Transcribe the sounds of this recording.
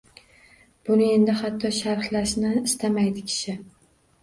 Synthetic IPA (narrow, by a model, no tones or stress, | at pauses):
b̥ʊnɪe̞nd̪ɪhat̪ʰːɒʃaɾχlaʃnɪɪst̪ʰamajd̪ɪkʲʰɪ̥ʃɪ